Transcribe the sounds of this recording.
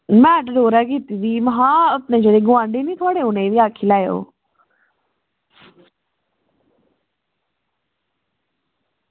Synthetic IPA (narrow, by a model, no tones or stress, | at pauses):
mɛ̃ːʈɖoːɾakit̪id̪imɦãəpnẽd͡ʒəɽeɡʊãːɳɖenĩt̪ʰaːɽeʊnẽʋiaːkʰilaːjo̰ː